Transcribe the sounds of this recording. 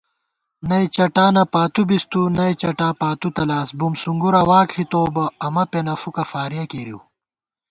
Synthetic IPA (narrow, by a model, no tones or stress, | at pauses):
nɐit͡ɕɐʈaːnɐpaːt̪ubist̪unɐjt͡ɕɐʈaːpaːt̪ut̪ɐlaːsbumsuŋɡuɾɐwaːkɬit̪oːbɐɐmɐpenɐfukɐfaːɾijɐkeːɾiw